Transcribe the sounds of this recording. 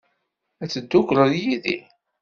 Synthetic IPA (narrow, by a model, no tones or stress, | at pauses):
æt͡sːəd̪ːʊkɾəðjiðḭ